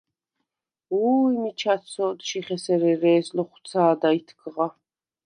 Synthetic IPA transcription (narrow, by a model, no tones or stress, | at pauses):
uːimit͡ʃʰat̪sɔːd̪ʃiχɛsɛɾɛɾɛːslɔχwt̪t͡sʰaːd̪ait̪ʰɡʼʁa